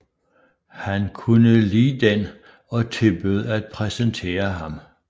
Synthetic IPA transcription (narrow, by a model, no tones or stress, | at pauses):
hænkʰunəliːd̥en | ɒ̽t͡sʰe̝b̥øðˠæd̥̚pʰʁɛsənt͡sʰe̝̰ːɐɦɑ̈m